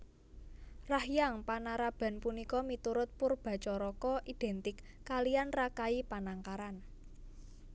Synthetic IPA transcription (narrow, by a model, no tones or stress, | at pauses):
rahjaŋpanaɾab̥a̤npunikɔmit̪uɾʊt̪̚pʊrb̥a̤t͡ʃɔɾɔkɔʔid̪̥ɛ̤nt̪ɪkːalijanrakaipanaŋkaɾan